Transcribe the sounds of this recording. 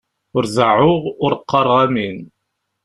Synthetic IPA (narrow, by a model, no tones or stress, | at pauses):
ʊɾzəʕʊʁʊɾqːɑɾˤʁæmin